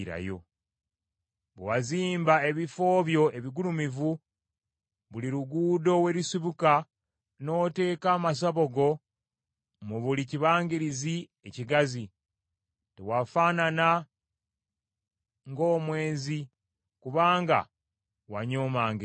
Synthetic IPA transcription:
ɾa̰jo̞̰ | βewaziːmbae̞βifo̞ːβjo̞e̞βiɡulumivu | βuliɾuɡuːdo̞we̞ɾisiβuka | no̞te̞ːkaːmas̬aβo̞ɡo̞ | muβuliciβaːŋɡiɾizi | eciɡazi | tewafaːnana | ŋɡo̞ːmwe̞ːzi | kuβaːŋɡa̰ | waɲo̞ːmaːŋɡe

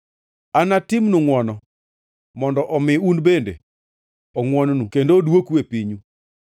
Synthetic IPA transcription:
anatɪmnuŋwɔnɔ | mɔndɔʔɔmɪunbendḛ | ɔŋwɔnnukendodwokwepiɲu

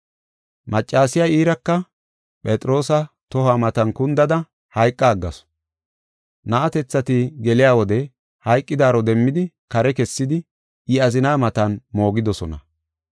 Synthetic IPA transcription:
mɐt͡ʃʼːaːsɪjaiːɾɐkːɐ | pʼɛt̪ʼɾo̞ːsɐ | t̪ɔhaːmɐt̪ɐnkʊnd̪ɐd̪ɐ | hɐjkʼːaːɡːɐs | nɐʔːt̪ɛt͡sːɐt̪ɪɡɛlɪjaːwɔd̪ɛ | hɐjkʼːɪd̪aːɾɔd̪ɛmːɪd̪ɪ | kɐɾɛkɛsːɪd̪ɪ | ɪɐzɪnaːmɐt̪ɐnmo̞ːɡɪd̪ɔsɔnɐ̰

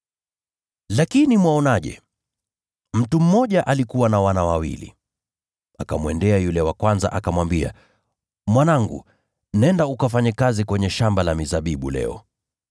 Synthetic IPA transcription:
lakinimwaɔnaʄɛ̰ | m̩tum̩mɔʄaʔalikuwanawanawawḭlḭ | akamuwɛndɛajulɛwakwanza̰ʔakamwambia̰ | mwanaŋɡṵ | nɛndaukafaɲɛkazikwɛɲɛʃambalamizaɓiɓulɛ̰ɔ̰

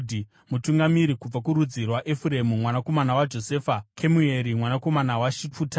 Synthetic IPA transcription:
di | mutuŋɡamiɾikub͡vakuɾud͡zirwaʔefuɾe̞mumwanako̞manawad͡ʒo̞se̞ːfakʰemueɾimwanako̞manawaʃipuːta

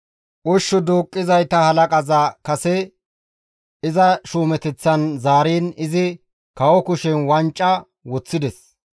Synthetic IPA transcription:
ʔʊʃːɔd̪oːkʼːɪzɐjt̪ɐhɐlɐkʼɐzɐkɐsɛ | ɪzɐʃuːmɛt̪ɛt͡sːɐnzaːɾiːnɪzɪ | kɐwɔkʊʃɛnwɐnt͡ʃʼːɐ | wɔt͡sːɪd̪ɛs

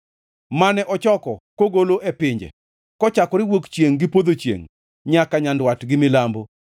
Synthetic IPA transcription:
manɛʔɔt͡ʃɔkɔkoɡoloʔepɪɲd͡ʒɛ̰ | kɔt͡ʃakɔɾɪwokt͡ʃjeŋɡɪpod̪ot͡ʃjḛŋ | ɲakaɲandwatɡɪmɪlambo

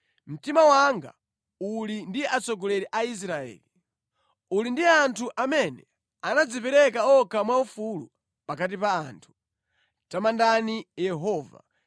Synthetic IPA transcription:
m̩timawaŋɡa̰ | ulindiat͡sɔɡɔlɛɾɛʔais̬ɾaɛ̰ːli | ulindiantʰuʔamɛnɛ | anad͡zipɛɾɛkaɔkamwaufulu | pakat̬ipaːntʰu̥ | tamandanijɛɦɔːva̰

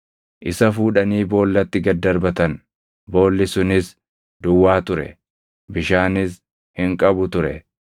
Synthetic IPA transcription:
ʔɪsɐfuːᶑɐniːbo̞ːlːɐt̪ːɪɡɐd̪ːɐɾbɐt̪ɐn | bo̞ːlːɪsʊnɪs | d̪ʊwːaːt̪ʊɾɛ̰ | bɪʃaːnɪs | hɪŋkʼɐbʊt̪ʊɾɛ̰

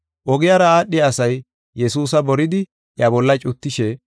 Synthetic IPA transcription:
ʔɔɡɪjaːɾɐaːɗːɪɐsɐj | jɛsuːsɐbɔɾɪd̪ɪ | ʔjɐbɔlːɐt͡ʃʼʊt̪ːɪʃɛ

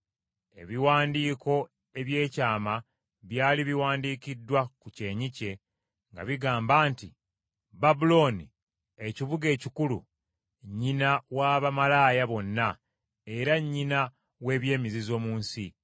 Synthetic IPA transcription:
e̞̰βiwaːndiːko̞ | e̞βje̞ːcaːma | βjaːliβiwaːndiːkidːwakuce̞ːɲice̞ | ŋɡa̰βiɡaːmbaːnti | babulo̞ni | eciβuɡe̞ːcikulṵ | ɲːinawaːβamalaːjaβo̞nːa | e̞ɾaɲːina | we̞ːβje̞ːmizizo̞ːmuːnsi

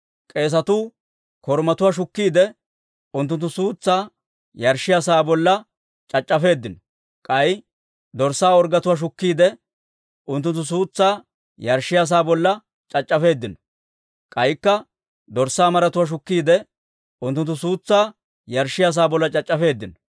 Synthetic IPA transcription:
kʼe̞ːs̬ɐt̪uː | kɔɾmɐt̪ʊwaːʃ̬ʊkːiːd̪ɛ | ʊnt̪̬ːʊnt̪ːʊsuːt͡sːaː | jɐɾʃɪjasaːbɔlːɐ | t͡ʃʼɐt͡ʃʼːɐfe̞ːd̪ːɪnɔ | kʼɐj | d̪ɔɾsaːɔɾɡɐt̪ʊwaːʃ̬ʊkːiːd̪ɛ | ʊnt̪ːʊnt̪ːʊs̬uːt͡sːaː | jɐɾʃɪjas̬aːbɔlːɐ | t͡ʃʼɐt͡ʃʼːɐfe̞ːd̪ːɪnɔ | kʼɐjɪkːɐ | d̪ɔɾsaːmɐɾɐt̪ʊwaːʃ̬ʊkːiːd̪ɛ | ʊnt̪ːʊnt̪ːʊsuːt͡sːaː | jɐɾʃːɪjas̬aːbɔlːɐt͡ʃʼɐt͡ʃʼːɐfe̞ːd̪ːɪnɔ

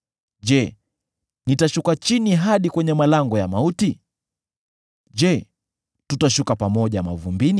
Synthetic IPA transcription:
ʄɛ | nitaʃukat͡ʃiniɦaɗikwɛɲɛmalaŋɡɔjamauti | ʄɛ | tutaʃukapamɔʄama̰vumbini

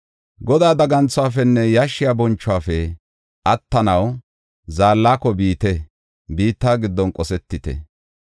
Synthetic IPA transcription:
ɡɔd̪aːd̪ɐɡɐnt͡sːʊwaːfɛnːɛjaʃːɪjabɔnt͡ʃːʊaːfɛ | ʔɐt̪ːɐnɐw | zaːlːaːkɔbiːt̪ɛ | biːt̪ːaːɡɪd̪ːɔnkʼɔsɛt̪ːɪt̪ɛ̰

